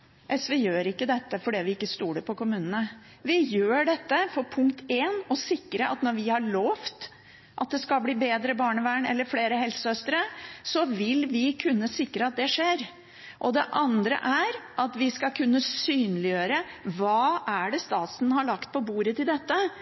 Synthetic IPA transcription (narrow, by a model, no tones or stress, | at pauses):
ʔɛsʋɛjøːɾɪkːəd̪ɛt̪ːəfɔɖiːʋɪɪkːəst̪uːɖəpʰɔkʊmʉːnənə | ʋɪjøːɖɛt̪ːəfɔɾpʰʊŋkt̪ʰeːnɔsɪkːɾəɑ̰t̪nɔɾʋɪhɑɭoːft̪ | ʔɑt̪̚d̪ɛskɑlbliːbeːd̪ɾəbɑːɳəʋæːɳɛ̰lːəɾfleːɾəhɛlsəœst̪əɾəsɔʋɪlʋɪkʰʉnːəsɪkːɾəɑt̪̚d̪ɛʂeːɾ | ʔɔd̪ɛʔɑnd̪ɾə̰ʔæɾʔɑt̪ʋɪskɑkʰʉnːəsyːnlɪjøːɾəʋɑːʔæɖɛst̪ɑːt̪sn̩hɑɭɑkt̪̚pʰɔbuːɾət̪ɪld̪ɛt̪ːə